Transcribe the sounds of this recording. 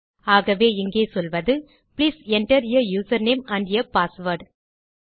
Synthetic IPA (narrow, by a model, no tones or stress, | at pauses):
aːɣɐʋeːɪŋɡeːsɔlʋɐðɯ | pliːsɛɳʈɐɾɪjɐjuːsɐɾneːmɐ̃ɳɖjɐpaːsʋɐɾɖ